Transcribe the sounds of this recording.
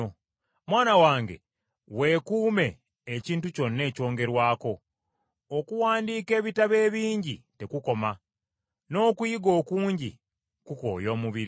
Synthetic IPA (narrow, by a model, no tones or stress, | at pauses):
mwaːnawaːŋɡe̞̰ | we̞ːkuːme̞ː | ciːntuco̞nːe̞ːco̞ːŋɡe̞ɾwaːko̞ː | kuwaːndiːke̞ːβitaβe̞ːβiːɲɟite̞kuko̞ma | no̞ːkujiɡo̞ːkuːɲɟi | kuko̰ːjo̞ːmuβiɾi